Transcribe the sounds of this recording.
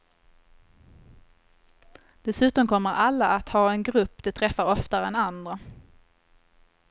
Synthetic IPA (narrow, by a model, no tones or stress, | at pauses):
d̪̥ɛsʉ̟ːt̪ɔmkʰɔmːəɾalːaat̪hɑːɛnɡɾɵpːd̪̥ɛt̪ʰɾɛfːaɾɔft̪aɛnand̪ɾa